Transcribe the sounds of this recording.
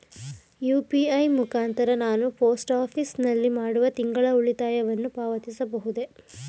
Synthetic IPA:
juːpiɐjmukaːnt̪ɐɾɐnaːnupoːsʈaːpʰisnɐlːimaːɽuʋɐt̪iŋɡɐɭɐuɭit̪aːjɐʋɐnːupaːʋɐt̪isɐbɐɦud̪e̞

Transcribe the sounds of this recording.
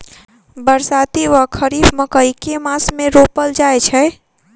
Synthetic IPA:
bəɾsat̪iʋəkʰəɾibməkəikemasmeɾopəld͡ʒajt͡ʃʰɛ

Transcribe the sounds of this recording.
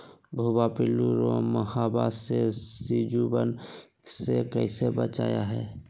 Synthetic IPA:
bʱubapɪluɾoməhabasesid͡ʒubən | sekəɪsebət͡ʃa̰ːja̰ɦɛː

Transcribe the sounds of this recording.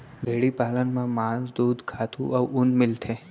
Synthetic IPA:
ʋeɽipalənmãmãnd̪uːd̪kʰat̪ʰũʔəʋʊnmɪlt̪ʰe

